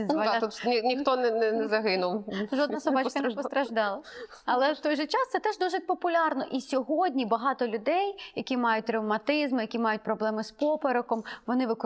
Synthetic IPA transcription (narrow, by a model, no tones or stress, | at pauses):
zɐlʲat̪ut̪nʲinʲixt̪ɔnɛnɛnɛzɐɦɪnʊwʒɔd̪nɐsɔbɑt͡ʃkɐnpɔst̪ɾɐʒd̪ɑlˠɐ | ɐlˠɛt̪ɔjʒɛt͡ʃɑst̪sɛt̪ɛʒd̪uʒɪt̚ʲpɔpʊlʲɑrnɔʔisʲɔɦɔdʲnʲibɐɦɑt̪ɔlʲʊd̪ɛjjɐkʲimɑjʊt̚ʲt̪ɾɐwmɐt̪ɪzmɪjɐkʲimɑjʊt̚ʲpɾɔblˠɛmɪspɔpeɾɔkɔmʋɔnɪʋɪk